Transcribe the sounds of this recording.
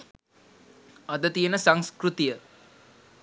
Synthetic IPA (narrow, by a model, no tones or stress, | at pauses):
ad̪ət̪ijənəsaŋskrut̪ijə